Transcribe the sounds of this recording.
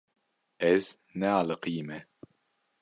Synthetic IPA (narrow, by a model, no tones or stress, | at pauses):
ɛz̥ | nɛalɨqiːmɛ